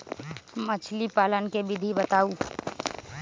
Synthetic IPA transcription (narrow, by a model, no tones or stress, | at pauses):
mət͡ʃʰlipaːlənkebʱɪd̪ʱibət̪aːuː